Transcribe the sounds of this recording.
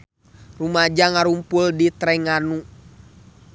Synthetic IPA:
rumad͡ʒaŋaɾumpuldit̪ɾɛŋanu

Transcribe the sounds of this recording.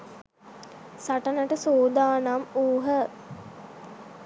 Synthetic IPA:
saʈənəʈəsoːd̪aːnamuːɦə

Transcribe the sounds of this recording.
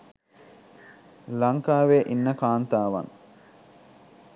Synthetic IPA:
lɐŋkaːʋeːʔinːəkaːnt̪aːʋɐ̰ŋ

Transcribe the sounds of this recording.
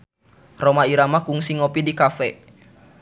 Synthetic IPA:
romaiɾamakuŋsiŋopidikafɛ

